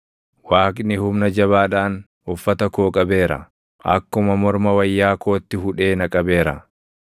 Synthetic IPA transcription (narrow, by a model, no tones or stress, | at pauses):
waːkʼnɪhʊmnɐd͡ʒɐβaːᶑaːn | ʊfːɐt̪ɐkoːkʼɐbe̞ːɾɐ̰ | ʔɐ̰kːʊmɐmɔɾmɐwɐjːaːko̞ːt̪ːɪɦʊᶑe̞ːnɐkʼɐbe̞ːɾɐ̰